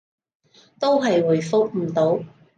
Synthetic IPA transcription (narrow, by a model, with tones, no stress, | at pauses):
t̪o˥wɦɐ˨jwu˨˩jfʊ˥k̚m̩˨˩t̪o˨˥w